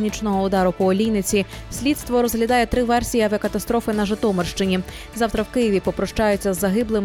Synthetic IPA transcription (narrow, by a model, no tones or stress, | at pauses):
nʲit͡ʃnɔɦɔʊd̪ɑɾʊpɔːlʲijnɪt͡sʲi | sʲlʲidt̪st̪ʋɔɾɔzɦlʲɐd̪ɑjɛt̪ɾɪʋɛrsʲijiɐʋʲɐkɐt̪ɐst̪ɾɔfɪnɐʒɪt̪ɔmerʃt͡ʃɪnʲi | zɑwt̪ɾɐwkɪjiʋʲipɔpɾɔʃt͡ʃɑjʊt͡sʲːɐzːɐɦɪblˠɪm